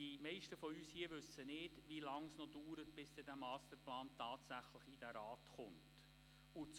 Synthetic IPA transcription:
imɛɪʃtəfɔyːshiːəʋɵsənɪːdʋilɑŋsnɔduːɾətb̥ɪsdɛdæmɑːst̪əɾplɑːntɑːtsæχləχid̥æɾɑːtχʊnt | ʊt͡s

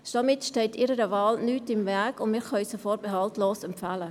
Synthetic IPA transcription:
ʃdɑmɪtʃtɛɪtiɾəɾəvɑːlnyːtɪmvæɐkʊnmɪʁχɑysəfɔːɾbeɦɑltloːsɛmpfalə

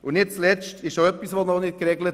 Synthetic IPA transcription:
ʊnɪt̚t͡slɛt͡ʃtɪʃʃoœpːisʋonɔnɪt̚kɾɛɡlət

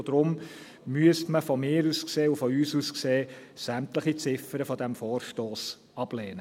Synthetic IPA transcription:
d̥̪ɾʊm | myəstməfɔmɪːɾuskseːufɔyːsuskseːsæmtləχit͡sɪfəɾəfɔd̪æmfɔːrʃtoːs | ɑb̥leːnə

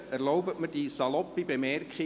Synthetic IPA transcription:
æɾlɔʊbətmədisɑlɔpːibemɛrkχɪ

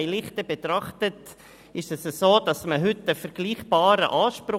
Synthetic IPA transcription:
ɪlɪχtəbetɾɑχtət | ɪʃɛsəsoːd̥ɑsməɦʏtəfɛɾɡ̥liːχb̥aːɾə̰ʔaːʃpɾʊ

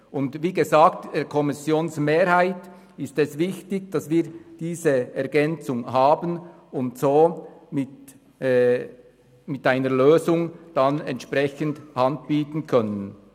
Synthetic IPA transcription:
ʊndviːɡezaːktd̥ɛːɾkʰɔmɪsjoːnsmeːɾhaɪt | ɪstɛsvɪçtɪçd̥ɑsviːɐd̥iːzəɛɐɡɛnt͡sʊŋɦaːbən | ʊntsoːmɪtː | mɪtʔaɪnəɾløːzʊŋd̥anɛntʃprɛçəndhandb̥iːtn̩kʰœnən

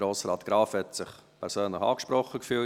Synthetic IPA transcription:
ɾoːsɾɑːtɡ̥ɾɑːfhɛtsɪχpʰɛɾsøːnləχɑ̰ːkʃpɾɔχːəkfyːl

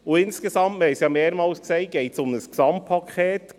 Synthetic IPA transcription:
ʊɪnskesɑmtmɛɪsjɑmeːɾmɑːlskseɪɡ̥ɛɪtsʊmdəsksɑmt̚pʰːɑkʰχɛːt

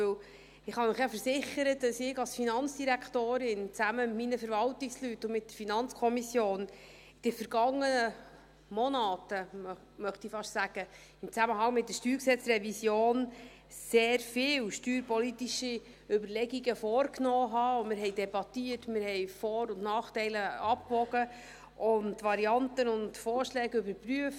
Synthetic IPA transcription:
øw | ɪχhɑməɪχjɑfəɾsɪχəɾətdɑsɪɡɑlsfinɑnt͡sd̥iɾækχtoːɾɪnt͡sæməmɪtminəfəɾvɑltɪkslytːʊmɪt̚dəɾfinɑnt͡skʰɔmisjoːn | d̥ɛfəɾɡ̥ɑŋːənə | mɔnɑːtəm | mœχtifɑʃsæɡ̥ə | ɪmt͡sæməɦɑŋmɪt̚dəʃtyːksɛt͡srɛvisjoːn | seːɾfɪːwʃtyːɾpɔlitiʃi | ʏbərlɛɡiɡəfɔːrknɔːɦɑːʊmɪɾɦɛɪdɛbɑtiətmɪɾhɛjfɔːɾʊntnɑːχtɛɪləɑp̚kʋɔɡə | ʔʊnʋɑɾiɑntənʊntfɔːɾʃlɛːɡʏbəɾpryəf

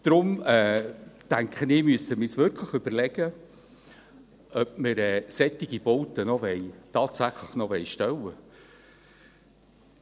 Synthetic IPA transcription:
d̥ɾʊmɛːtæŋkχənɪːmyəstəmɪːsʋʏɾkʰləχʏb̥əɾlɛɡ̥ə | œpməɾɛːsɛtːɪɡ̥ib̥ɔwtənɔʋɛjtɑːtsæχləχnɔʋɛjʃtɛwə

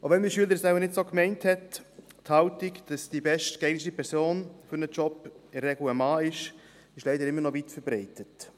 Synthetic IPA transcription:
oʋɛnməʃyələɾsɛlənɪdsoːkmɛɪnthɛt | thɑʊtɪkd̥ɑsd̥ibɛʃtkɛɪnɪʃipʰɛɾsoːnfʏɾnət͡ʃɔpɪrːɛɡluəmɑːɪʃ | ɪʃlɛɪdəɾɪmːəɾnɔvitfəɾbɾɛɪtət

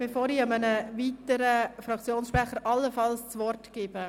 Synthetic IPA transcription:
mɪfoːɾiɑmənəʋiːtəɾəfɾɑkt͡sjoːnsʃpɾɛχəɾʔɑlːəfɑlst͡sʋɔrtɡ̥ɪːb̥ə

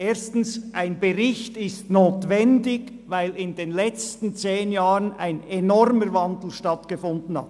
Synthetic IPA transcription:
ʔeːstn̩sʔaɪnbeʁɪçtɪstnoːtvɛndɪɡ | vaɪlɪndeːnlɛt͡stn̩t͡seːnjaːʁəna̰ɪnɛnɔɾməɾvandl̩ʃtɑtɡ̥əfʊndn̩ha̰t

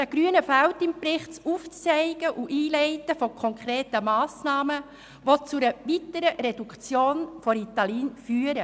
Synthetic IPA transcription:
d̥æɡ̥ɾyənəfælwtɪmpɾɪχt͡suft͡sɛɪɡ̥əʔuʔiːlɛɪtəfɔkʰɔŋkχɾeːtəmɑːsnɑːmə | ʋot͡suɾəvitəɾəɾedukt͡sjoːnfɔɾit̪ɑliːnfyːəɾə

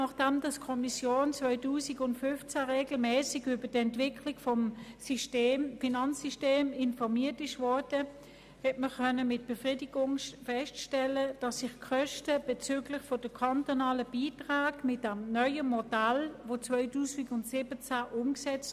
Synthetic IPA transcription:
nɑχd̥ɛmd̥ɑskʰɔmisjoːnt͡svœʏtuːsɪɡʊntfʏnft͡sæʁeːɡl̩mɛːsɪɡybədɛntv̥ɪkʰlɪɡfɔm | finɑnt͡sːisteːmɪnfɔʁmiːɐtɪʃvɔɐd̥ə | hɛtməkʰœnəmɪt̚b̥efʁiːdiɡ̥ʊŋʃfɛstʃtɛləd̥ɑsːɪχkʰœʃtəb̥et͡syːɡlɪχfod̥əkʰɑntonɑːləb̥iːtʁaːɡmɪt̚d̥amnœʏəmodælʋot͡svœʏtuːsɪɡʊntsɪbət͡sæʔʊmksɛt͡st

